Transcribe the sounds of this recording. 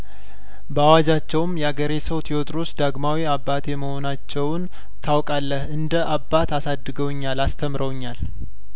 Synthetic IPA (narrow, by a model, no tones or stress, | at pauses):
bəawad͡ʒat͡ʃːɛwmjɛaɡəɾesəwt̪ʰiot̪ʼɾosd̪aɡmawiabːat̪ʰeməho̞nat͡ʃːɛwn | t̪ʰawkʼalːəhɨnd̪əʔabːat̪asad̪ːɨɡəwɲːalast̪ʰəmɾəwɲːal